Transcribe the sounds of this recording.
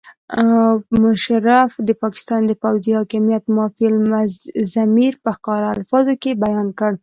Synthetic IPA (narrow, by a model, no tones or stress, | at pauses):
mʊʃaɾafd̪əpɑkɪ̥st̪ɑnd̪əpawzihɑkɪmijat̪mɑfilmazamiɾpəxkɑɾaalfɑzokebajɑnkəɽ